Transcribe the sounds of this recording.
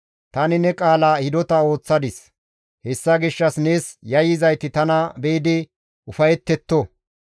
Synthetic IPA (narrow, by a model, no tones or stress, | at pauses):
t̪ɐnɪnɛkʼaːlaːhɪd̪ɔt̪ɐo̞ːt͡sːɐd̪ɪs | hɛsːɐɡɪʃːɐsne̞ːsjɐjɪzɐjt̪ɪt̪ɐnɐbeːd̪ɪ | ʔʊfɐjɛt̪ːɛt̪ːɔ